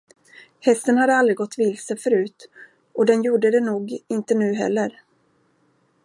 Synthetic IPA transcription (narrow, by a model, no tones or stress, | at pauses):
hɛst̪ənhad̪ːəalɾɪɡɔt̪ːvɪlsəfœɾʉ̟ːt̪ | ʔɔd̪ɛnjuːɖəd̪ɛnuːɡɪnt̪ənʉ̟ːɦɛ̰lːəɾ